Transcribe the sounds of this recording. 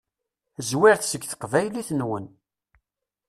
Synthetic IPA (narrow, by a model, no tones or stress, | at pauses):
zwɪɾθsəɡθə̥qvæjliθnwən